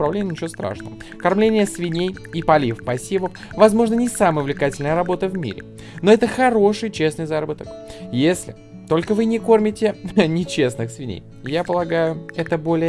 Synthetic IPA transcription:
pɾɐvlʲenʲɪnʲɪt͡ɕʲost̪ɾa̰ʂnə̰və | kɐrmlʲenʲɪjəsvʲɪnʲej | ipɐlʲifpɐsʲivəf | vɐzmo̞ʐnənʲɪsaməjvlʲɪkatʲɪlʲnəjəɾɐbo̞t̪əvmʲḭɾʲɪ̰ | noɛt̪əxɐɾo̞ʂɨjt͡ɕe̞snɨjzaɾəbət̪əkjesʲlʲɪ̰ | t̪o̞lʲkəvɨnʲɪko̞rmʲɪtʲɪnʲɪt͡ɕe̞snɨxsvʲɪnʲḛj | japəlˠɐɡajʊɛt̪əbo̞lʲɪ

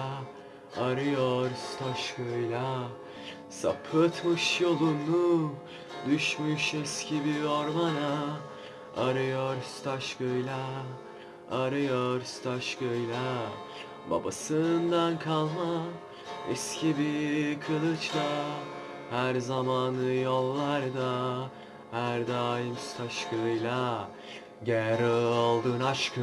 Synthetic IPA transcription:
aɾɯjoɾst̪ʰaʃkøjlʲa | sa̰pʰɯt̪mɯʃjolˠunːu | d̪yʃmyʃɛscʰibioɾmana | a̰ɾɯjoɾst̪ʰaʃkøjlʲa | aɾɯjoɾst̪ʰaʃkøjlʲa | ba̰basɯnd̪ankʰalˠma | ɛscʰibikʰɯlˠɯt͡ʃla | hæɾzamaːnɯjolˠːaɾd̪a | hæɾd̪aːjimst̪ʰaʃkʰɯjlʲˠa | ɟɛɾɛalˠd̪ɯːnaʃkʰɯ

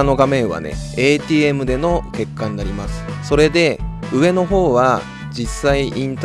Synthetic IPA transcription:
no̞ɡamẽ̞ɰ̃βa̰nḛeːt̪ʲiːe̞mɯ̟d̪e̞no̞ke̞kːaɲ̟inaɾʲimasɨ̥so̞ɾe̞d̪e̞ | ɯ̟βe̞no̞ɦo̞ːβa | d͡ʑisːaiʔĩnt̪

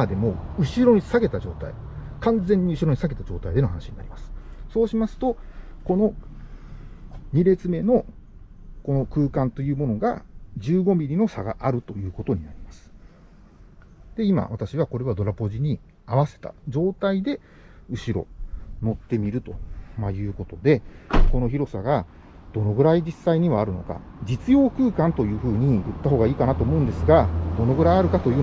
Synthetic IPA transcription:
ad̪e̞mo̞ɯ̟ɕiɾo̞ɲ̟isaɡe̞t̪ad͡ʑo̞ːt̪a̰ḭkãnd͡zẽ̞ɲ̟ːiɯ̟ɕiɾo̞ɲ̟isaɡe̞t̪ad͡ʑo̞ːt̪aid̪e̞no̞ɦanaɕiɲina̰ɾʲimasɨ̥so̞ːɕimasɨ̥t̪o̞ko̞no̞ | ɲ̟iɾe̞t͡sɨme̞no̞ | ko̞no̞kɯ̟ːkãnt̪o̞jɯ̟ːmo̞no̞ɡa̰d͡ʑɨːɡo̞mʲiɾʲino̞saɡa̰ʔaɾɯ̟t̪o̞jɯ̟ːko̞t̪o̞ɲ̟inaɾʲimasɨ̥ | d̪̥e̞ima̰βat̪aɕiβako̞ɾe̞βad̪o̞ɾapo̞ʑiɲ̟i | aβ̞ase̞̥t̪a̰d͡ʑo̞ːt̪aid̪e̞ | ɯ̟ɕiɾo̞̰no̞t̪ːe̞mʲiɾɯ̟t̪o̞majɯ̟ːko̞t̪o̞d̪e̞ko̞no̞çiɾo̞saɡa | d̪̥o̞no̞ɡɯ̟ɾaid͡ʑisːaiɲ̟iβaːɾɯ̟noka̰d͡ʑit͡sɨjo̞ːkɯ̟ːkãnt̪o̞jɯ̟ːɸɯ̟ːɲ̟ijɯ̰t̪ːaɦo̞ːɡaiːkanat̪o̞ːmo̞ɯ̃nd̪e̞sɨɡad̪̥o̞no̞ɡɯ̟ɾajaɾɯ̟kat̪o̞jɯ̟

